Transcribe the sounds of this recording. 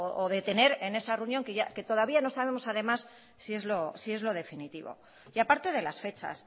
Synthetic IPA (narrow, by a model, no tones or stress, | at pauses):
oʔoðe̞t̪e̞ne̞ɾe̞ne̞sareunjo̞ŋkeʝa̰ke̞t̪o̞ð̞aβiano̞saβe̞mo̞saðe̞masː | ie̞zlo̞sie̞zlo̞ð̞e̞finit̪iβo̞̰ | iapaɾt̪e̞ð̞e̞lasfe̞t͡ʃa̰s